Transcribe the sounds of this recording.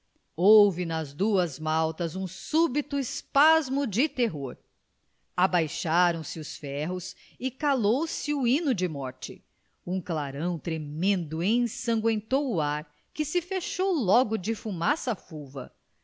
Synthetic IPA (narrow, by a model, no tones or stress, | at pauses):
owvɪnɐzd̪uɐzmawt̪ɐzũsubit̪ʊɪspazmʊd͡ʒɪt̪eɦoɾ | abajʃaɾɐ̃w̃sɪʊsfɛɦʊs | ɪkalowsɪuĩnʊd͡ʒɪmɔɾt͡ʃɪ | ũklaɾɐ̃w̃t̪ɾemẽnd̪ʊẽj̃sɐ̃ŋɡwẽnt̪owʊaɾ | kɪsɪfeʃowlɔɡʊd͡ʒɪfumasɐfuvɐ̰